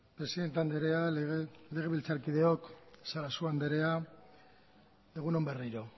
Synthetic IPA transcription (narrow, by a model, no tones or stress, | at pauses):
pɾe̞siðe̞nt̪eand̪eɾe̞aɣle̞ɣ̞e̞βilt͡saɾkið̞e̞o̞ksaɾasuand̪e̞ɾe̞a | leɣ̞uno̞mbe̞riɾo̞